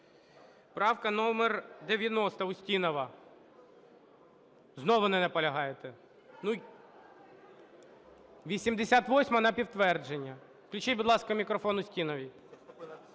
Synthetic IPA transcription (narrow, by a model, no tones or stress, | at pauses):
pɾɑwkɐnɔmɛrd̪eʋʲjɐnɔst̪ɐʊsʲtʲinɔʋɐ | znɔʋʊnɛnɐpɐlʲɐɦɑjet̪ɛ | nu | ʋʲisʲimd̪esʲat̪ʋɔsʲmɐnɐpʲiwt̪ʋɛrd͡ʒenʲːɐ | klʲʊt͡ʃibʊd̪lˠɑskɐmʲikɾɔfɔnʊsʲtʲinɔʋʲi